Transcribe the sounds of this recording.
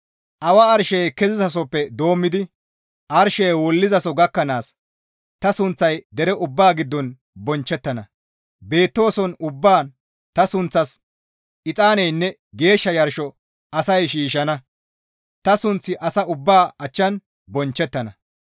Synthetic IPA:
ʔɐwɐːɾʃɛjkɛzɪzɐs̬ɔpːɛd̪o̞ːmːɪd̪ɪ | ʔɐɾʃɛjwɔlːɪzɐsɔɡɐkːɐnaːs | t̪ɐsʊnt͡sːɐjd̪ɛɾɛʔʊbːaːɡɪd̪ːɔn | bɔnt͡ʃːɛt̪ːɐnɐ | be̞ːt̪ːo̞ːsɔnʊbːaːn | t̪ɐsʊnt͡sːɐs | ɪt͡sʼaːnɛjnːɛ | ɡe̞ːʃːɐjɐɾʃɔ | ɐsɐjʃiːʃɐnɐ | t̪ɐsʊnt͡sːɪʔɐsɐʊbːaːɐt͡ʃːɐn | bɔnt͡ʃːɛt̪ːɐnɐ

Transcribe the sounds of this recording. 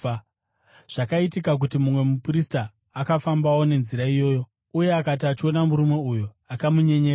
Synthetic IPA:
ʐ̥akaitikak̬utimumwe̞mupristaː | kafambawo̞ne̞nziɾaijo̞ːjo̞ | uje̞akat̬iat͡ʃio̞namuɾume̞uju | akamuɲe̞ɲe

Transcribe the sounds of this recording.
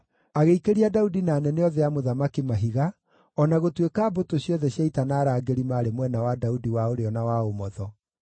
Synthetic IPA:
aɣeikeɾiadaudinaːnɛneɔðɛjamoðamakimaɦiɣa | ɔnaɣotwekaːbotoɕjɔðɛɕjaitanaːɾaːɡeɾimaːɾemwɛnawadaudiwaoɾeɔnawaomɔðɔ

